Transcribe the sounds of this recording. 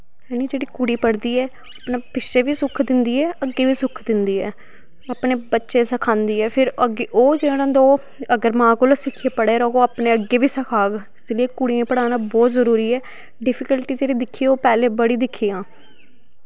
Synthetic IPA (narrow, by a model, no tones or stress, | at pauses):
ɛːniːd͡ʒeːɽiːkʊɽiːpəɽd̪iːɛː | apnaːpɪʃeːʋiːsʊkʰd̪ɪnd̪iːɛːəɡːeːʋiːsʊkʰd̪ɪnd̪iːɛ̰ː | aːpɳeːbətːʃeːsəkʰãːnd̪iːɛːpʰɪɾəɡeʔoːd͡ʒeːɽãːd̪oː | əɡəɾmãːkolsɪkʰːeːpəɽeːɾɔːkoːaːpnẽːəɡeːʋiːsəkʰaːɡ | ɪslieːkʊɽijãːpəɽaːnãːbɔːt̪zəɾuːɾiːɛː | ɖɪpʰɪkəlʈiːd͡ʒeːɽiːd̪ɪkʰːioːpɛːleːbəɽiːd̪ɪkʰːijãː